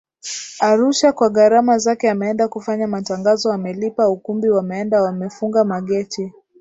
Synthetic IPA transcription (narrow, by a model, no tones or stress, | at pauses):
aɾuʃakwaɠaɾamazakɛamɛɛndakufaɲamataŋɡazɔamɛlipaukumbiwamɛɛndawamɛfuŋɡamaɠɛti